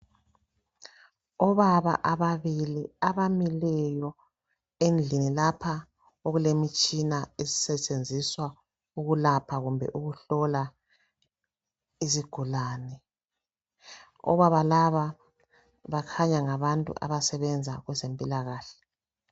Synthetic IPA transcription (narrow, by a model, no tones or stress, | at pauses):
ɔβaβa̰ʔaβaβiliaβamilɛjɔ | end͡ɮʱinilapʰa | oɣulemit͡ʃʼinaezi̥sɛt͡ʃʼend͡zʱiswa | uɣulapʰaɣumbʱɛ̰ʔuɣuɬɔla | iziɡ̥ʱulaːnɛ | ɔ̰βaβalaβa | βakʰaɲaŋaβantʼṵʔa̰βasɛβɛnd͡zʱa̰ɣwɛzempʼilaɣaːɬɛ̥